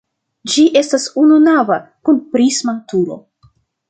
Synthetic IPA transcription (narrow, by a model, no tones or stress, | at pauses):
d͡ʒiʔe̞stasununavakunpɾismatuɾo̞̰